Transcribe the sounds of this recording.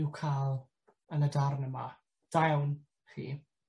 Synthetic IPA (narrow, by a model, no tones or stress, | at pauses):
ɪwkʰalˠ | ənədarnəma | d̥awn | χḭː